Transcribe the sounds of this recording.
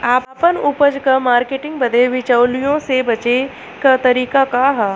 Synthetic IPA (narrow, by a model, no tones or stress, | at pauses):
aːpapənʊpəd͡ʒkɐmaːɾkeːʈɪ̃ŋɡ̚bɐd̪ʱeʋɪt͡ʃəwlijõsebɐt͡ʃe | kɐt̪ɐɾiːkakaɦa